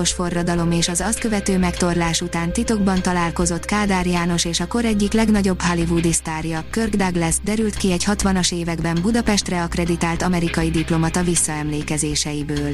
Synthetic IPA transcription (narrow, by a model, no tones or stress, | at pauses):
oʃfo̞rːɒd̪ɒlo̞meːʃɒzɒst̪kø̞vɛt̪øːmɛkt̪o̞rlaːʃut̪aːnt̪it̪o̞ɡbɒnt̪ɒlaːlko̞zo̞t̪kaːd̪aːrjaːno̞ʃeːʃɒko̞ɾɛɟːiklɛɡnɒɟo̞bhɒlivud̪ist̪aːrjɒkørɡd̪ɒɡlɛzd̪ɛɾylt̪kiɛɟhɒt̪ʋɒnɒʃeːvɛɡbɛmbud̪ɒpɛʃt̪rɛɒkrɛd̪it̪aːlt̪ɒmɛɾikɒjid̪iplo̞mɒt̪ɒvisːɒɛmleːkɛzeːʃɛjibøːl